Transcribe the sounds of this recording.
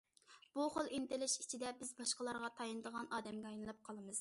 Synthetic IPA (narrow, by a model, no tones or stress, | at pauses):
b̥uχolˠint̪ɪlɪʃi̥t͡ʃʰid̪ɛbɪzbɑʃqəlˠɑɾʁɑt̪ʰɑjɨnɨd̪əʁɑnʔɑːd̪ɛmɡʲɛɑjnɨlˠɑp̚qʰɑlˠɨmɨz̥